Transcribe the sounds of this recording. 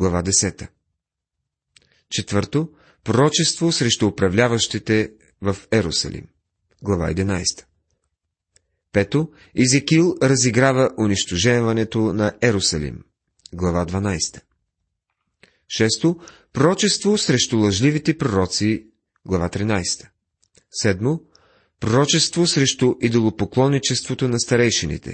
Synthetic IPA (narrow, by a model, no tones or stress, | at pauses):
ɡlˠɐvad̪ɛsɛt̪ə | t͡ʃɛt̪vɤɾt̪o | pɾoɾɔt͡ʃɛst̪vosɾɛʃt̪uːpɾɐvlʲavəʃt̪it̪ɛ | vɐfɛɾosə̰lḭm | ɡlˠɐva̰ɛ̰d̪ɛnajst̪ə̥ | pɛt̪o | izɛkilˠɾɐziɡɾavəʔʊniʃt̪ʊʒɛnvɐnɛt̪onɐʔɛɾosɐlḭm | ɡlˠɐvad̪vɐnajst̪ə̥ | ʃɛst̪opɾoɾɔt͡ʃɛst̪vosɾɛʃt̪ʊlˠɐʒlivit̪ɛpɾoɾɔt̪si | ɡlˠɐvat̪ɾinajst̪ə̥ | sɛd̪mo | pɾoɾɔt͡ʃɛst̪vosɾɛʃt̪ʊʔid̪olˠopoklˠɔnːit͡ʃɛst̪vot̪onɐst̪ɐɾɛjʃɛnḭt̪ɛ̰